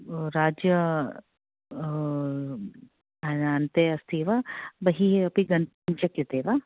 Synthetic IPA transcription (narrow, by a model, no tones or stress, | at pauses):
ɾaːd͡ʒjə | ɐaːnt̪eɐst̪ʰiːʋabɐɦiɦeɐpiɡɐn | nt͡ʃɐket̪eːʋa